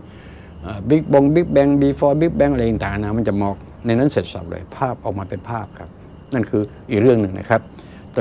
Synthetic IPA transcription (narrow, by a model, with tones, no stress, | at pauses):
ʔaː˧˩bi˦˥k̚bo˧ŋbi˦˥k̚bɛ˧ŋbiː˧˩fɔː˧bi˦˥k̚bɛ˧˥ŋʔa˧˩˨t̪aː˨˩˨naː˧˩ma˧˥˨nt͡ɕa˨˩mɔː˧k̚ | na˧jna˦˥˨nseː˨˩t̪̚sa̰˨˩p̚lɤ̰ː˧˩jpʰaː˥˩p̚ʔɔː˨˩k̚maː˧pe˧npʰaː˥˩p̚kʰa˦˥p̚ | na˥˩˨nkʰɯː˧ʔiː˨˩k̚ɾɯ˥˩əŋnɯ˨˩ŋnʔa̰˥˩kʰa˦˥p̚ | t̪ː